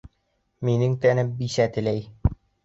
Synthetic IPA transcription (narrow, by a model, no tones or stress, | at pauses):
minɘŋt̪ænɘmbisæt̪ɘ̆læj